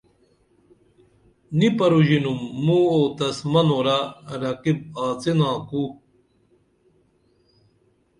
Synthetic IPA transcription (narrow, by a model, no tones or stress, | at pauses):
nipɐɾuʑinumːuoːt̪ɐsmɐnoːɾaɾɐkib̚aːt͡senãːku